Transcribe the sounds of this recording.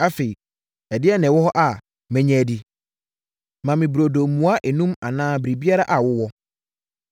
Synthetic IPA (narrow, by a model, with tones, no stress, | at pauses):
a˦fe˨i˨ | ɛ˨dɪ˦ɛ˦nɛ̃˨wɔ˦hɔ˦ʔa˨ | mɛ̃˦ɲɛ̃˦˨di˦ | mã˨mɪ̃˨bu˨ɾo˨do˨mːũ˨a˦ʔɛ˨nũ˦ma̰˨nãː˦bɾi˨bi˦a˦ɾa˦ʔa˨wʊ˦wɔ˦